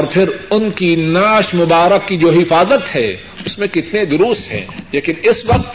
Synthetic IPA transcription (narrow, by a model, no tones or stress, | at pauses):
ɔːɾpʰɪɾʊnkinaːʃmʊbaːɾəkːid͡ʒoːɦɪfaːzət̪hɛː | ʊsmẽkɪt̪ned̪ʊɾʊːst̪ɦɛ̰̃ːleːkɪnɪsʋɐq̚t̪